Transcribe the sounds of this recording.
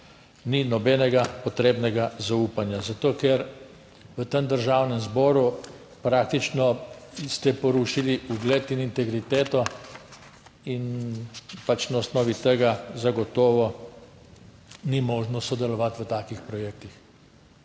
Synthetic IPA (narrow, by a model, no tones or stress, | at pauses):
ninɔbɛnɛɡapɔt̪ɾeːbnɛɡazauːpanjazat̪oːkɛɾ | ʋət̪əmd̪əɾʒawnɛmzbɔːɾu | pɾak̚t̪it͡ʃnɔst̪ɛpɔɾuʃiliuɡlɛt̪inint̪ɛɡɾit̪eːt̪ɔ | in | pat͡ʃnaɔsnɔːʋit̪əɡazaɡɔt̪ɔːʋɔ | nimɔːʒnɔsɔd̪ɛlɔʋat̪ʋət̪aːkixpɾɔjeːk̚t̪ix